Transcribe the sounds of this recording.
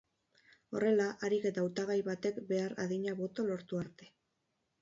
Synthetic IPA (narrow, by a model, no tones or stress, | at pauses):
o̞re̞laʔaɾike̞t̪awt̪aɣ̞ajβat̪e̞kbe̞aɾa̰ðiɲaβo̞t̪o̞lo̞ɾt̪uaɾt̪e̞